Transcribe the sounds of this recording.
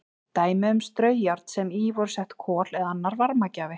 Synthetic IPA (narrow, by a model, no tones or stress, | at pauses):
t̪aːjmɪʏmst̪ɾœːɥjaɾt̪sɛmiːvɔɾ̥sɛht̪kʰɔːlɛðanːaɾvaɾmacaːvɪ